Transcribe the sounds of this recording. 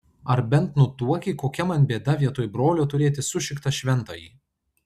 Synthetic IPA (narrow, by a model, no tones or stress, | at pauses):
ɐɾbʲɛnt̪nʊt̪uɔkʲiːkoːkʲɛmɐnʲbʲeːd̪ɐʋʲiɛt̪oːjbɾoːlʲoːt̪ʊɾʲeːt̪ʲɪsʊʃʲɪkt̪ɐʃʲʋʲɛnˑt̪o̰ːjiː